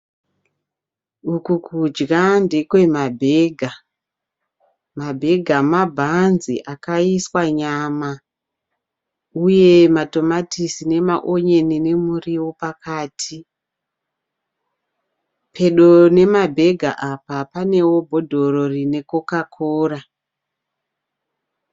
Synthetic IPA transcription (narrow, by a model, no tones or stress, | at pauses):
ukukud͡ʒɡandekwe̞mabʱeːɡʱa | mabʱe̞ɡʱamabʱanziʔakaiswaɲaːma | uje̞mato̞matisine̞maʔoɲe̞nine̞muriwo̞pakaːtʰi | pʰe̞ɗo̞ne̞mabʱe̞ɡʱa̰ʔapapane̞wo̞bʱo̞dʱo̞ro̞rine̞kokakʰoːra